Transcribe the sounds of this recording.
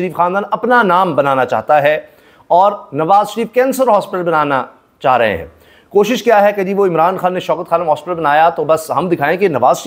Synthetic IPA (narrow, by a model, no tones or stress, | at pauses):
ɐɾiːfxaːnd̪aːnɐpnanaːmbɐnaːnat͡ʃa̰ːɦt̪aɦɛ | ɔːɾnɐʋaːzʃəɾiːfkɛ̃ːnsəɾɦɔːspɪʈəlbɐnaːna | t͡ʃaːɦɾɐ̰ɦḛ̃ɦɛ̰̃ː | koːʃɪʃkjaːɦɛked͡ʒiːʋoɪ̃mɾaːnxaːnːeʃɔːkət̪xʰaːnəmɦɔːspɪʈəlbɐnaːjat̪obɐsɦɐmd̪ɪkʰaːẽkenɐʋaːzʃə